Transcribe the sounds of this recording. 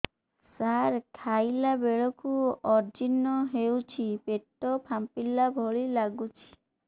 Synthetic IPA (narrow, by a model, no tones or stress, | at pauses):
saɾkʰajlabeɭɔkuɔɾd͡ʒinːɔɦewt͡ʃʰipeʈːɔpʰampilːabʱɔɭilaɡut͡ʃʰi̥